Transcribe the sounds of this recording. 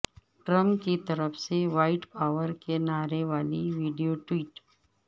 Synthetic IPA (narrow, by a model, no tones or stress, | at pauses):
ʈɾəmkit̪ɐɾəfseʋaːɪʈpaːʋəɾkenaːɾeʋaːliʋiːɖijoʈwiːʈ